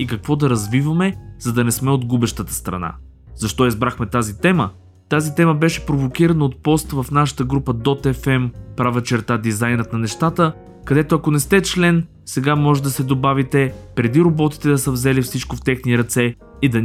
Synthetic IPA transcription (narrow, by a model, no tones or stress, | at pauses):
ikɐkvɔd̪ɐɾɐzvivəmɛzɐd̪ɐnɛsmɛod̪ɡubɛʃt̪ət̪ə̥st̪ɾɐ̰na̰ | z̥ɐʃt̪ɔizbɾaxmɛt̪azit̪ɛmə | t̪azit̪ɛməbɛʃɛ̥pɾovokiɾɐnəot̪̚pɔst̪vɐfnaʃə̥t̪əɡɾupəd̪ɔt̪ɛfɛmpɾavət͡ʃɛɾt̪ad̪izajnət̪nɐnɛʃt̪at̪ə | kɐd̪ɛt̪oɐkonɛst̪ɛt͡ʃlɛn | sɛɡamɔʒɛd̪ɐsɛd̪obavit̪ɛpɾɛd̪iɾobɔt̪i̥t̪ɛd̪ɐsəvzɛlifsit͡ʃkoft̪ɛxniɾɐt̪sɛ | id̪ɐn